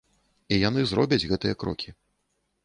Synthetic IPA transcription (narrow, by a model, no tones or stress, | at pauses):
ijan̪ɨzɾɔbʲɐd͡zʲɣɛt̪ɨjɐkɾɔ̰kʲʰi